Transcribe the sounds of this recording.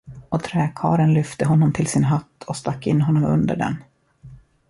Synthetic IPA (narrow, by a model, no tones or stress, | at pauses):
ɔt̪ʰɾɛːkʰɑ̰ːɾənlʏft̪əɦɔnːɔmt̪ʰɪlsɪnɦat̪ːɔst̪akːɪnːɦɔnːɔmɵ̰nd̪ə̰ɖɛ̰n